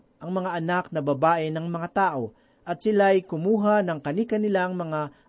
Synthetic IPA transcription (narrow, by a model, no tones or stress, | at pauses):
ʔɐŋmɐŋaʔɐnak̚nɐbɐbaːʔɪnɐŋmɐŋat̪aːʔo̞ | ʔɐt̪̚sɪlajkʊmuːɦanɐŋkɐniːkɐnɪlaŋmɐŋa